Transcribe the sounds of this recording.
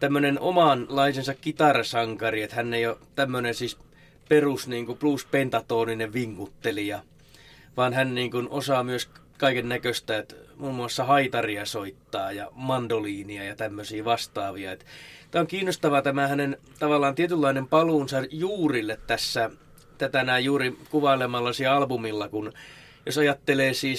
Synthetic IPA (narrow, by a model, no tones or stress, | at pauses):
t̪æmːønenomɑnlɑisensɑkkit̪ɑrɑsɑŋkɑriet̪hænːejot̪æmːønensiːs | perusniːŋkupluspent̪ɑt̪oːnineʋiŋːut̪ːelijɑ | ʋɑːnhænniːŋkunosɑmyøs | kɑikennækøst̪æet̪muːmːuɑsːɑhɑit̪ɑriɑsoit̪ːɑːjɑmɑndoliːniɑjɑt̪æmːøsiːʋɑst̪ɑːʋiɑet̪t̪æːoŋkiːnːost̪ɑʋɑt̪æmæhænen | t̪ɑʋɑlːˑɑːnt̪iet̪ylːɑinempɑluːnsɑjuːrilːet̪t̪æsːæ | t̪æt̪ænæijuːrikuʋɑilemɑlːɑsiːɑlbumilːɑkun | josɑjɑt̪ːeleːsiːs